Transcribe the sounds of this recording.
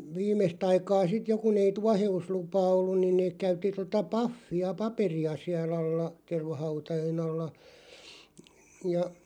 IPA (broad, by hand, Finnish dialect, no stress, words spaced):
ʋiːmest ɑikɑː sit jo kun ei tuɑheuslupɑː olːun niːn neːk kæytːi totɑ pɑfːiɑ pɑperiɑ siæl ɑlːɑ terʋɑhɑutɑjen ɑlːɑ jɑ